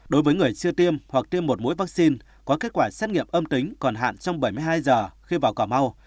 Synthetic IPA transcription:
ɗo˨˦jvəː˨˦jŋɨ˨˩əjt͡ɕɨ˧ət̪i˧əmhwa˨˩k̚t̪i˧əmːo˨˩t̚mo̰˧˥˦jvaː˦˥k̚si˧n | kɔ˨˦ke˦˥t̚kwaː˧˩saː˦˥t̚ŋḭ˧˨əmʔə˧mt̪ï˨˦ŋ̟kɔ˨˩nɦa̰ː˧˨nt͡ɕɔ˧wŋ͡mɓə˧˩jmɨ˧jɦaː˧jzəː˨˩xi˧vaː˨˩wkaː˧˩ma˧w

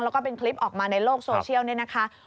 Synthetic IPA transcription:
ŋlɛː˦˥wkɔː˥˩pe˧nkʰli˦˥p̚ʔɔː˨˩k̚maː˧na˧jloː˥˩k̚soː˧t͡ɕʰi˥˩əwni˥˩na˦˥kʰa˦˥

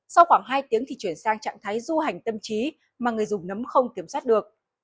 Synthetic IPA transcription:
sa˧wxwaː˧˩ŋɦaː˧jt̪i˨˦əŋt̪i˨˩t͡ɕwi˧˩ənsaː˧ŋt͡ɕa̰˧˨ŋt̪ʰaː˨˦jzu˧ha˨˩jŋ̟t̪ə˧mt͡ɕi˨˦ | maː˨˩ŋɨ˨˩əjzʊ˨˩ŋ͡mnə˨˦mxə˧wŋ͡mki˧˩əmswa˦˥t̚ɗɨ˨˩ək̚

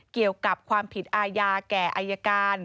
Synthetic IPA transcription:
ki˨˩əwka˨˩p̚kʰwaː˧mpʰi˨˩t̪̚ʔaː˧jaː˧kɛː˨˩ʔaː˧jːa˧kaː˧n

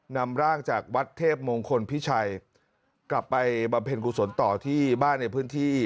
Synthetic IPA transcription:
na˧mɾaː˥˩ŋt͡ɕaː˨˩k̚wa˦˥t̪ʰːeː˥˩p̚moː˧ŋkʰo˧npʰi˦˥t͡ɕʰa˧j | kla˨˩pːa˧jba˧mpʰe˧nku˧˩so˩˦nt̪ɔː˨˩t̪ʰiː˥˩baː˥˩nːa˧jpʰɯː˦˥nt̪ʰiː˥˩

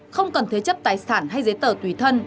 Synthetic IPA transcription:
xə˧wŋ͡mkə˨˩nt̪ʰə˨˦jt͡ɕə˦˥p̚t̪aː˨˩jsaː˧˩nɦa˧jzə˨˦jt̪əː˧˩t̪wi˧˩t̪ʰə˧n

